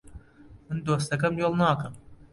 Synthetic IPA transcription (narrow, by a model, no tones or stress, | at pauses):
mɨnd̪oːs̬t̪ɐkɐmjolˠnɑːkɐm